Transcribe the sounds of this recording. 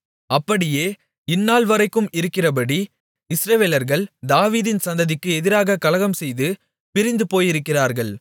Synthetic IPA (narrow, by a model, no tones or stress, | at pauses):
ɐpːɐɽɪjeː | ɪnːaːlʋɐɾɐɪkːɯmɪɾɯkːɪrɐpɐɽi | ɪsɾɐʋeːlɐɾɣɐɭd̪aːʋiːðɪnsɐnd̪ɐðɪkːɯɛðɪɾaːɣɐkɐlɐɣɐmsɛjðɯ | pɪɾɪnd̪ɯpoːjɪɾɯkːɪraːɾɣɐɭ